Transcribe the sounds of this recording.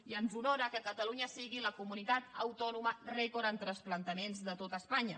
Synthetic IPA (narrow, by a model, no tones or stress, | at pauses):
iənzunoɾəkəkət̪əluɲəsiɣiləkumunit̪at̪əwt̪ɔnumərɛkoɾənt̪ɾəsplənt̪əmenzðət̪ot̪əspaɲə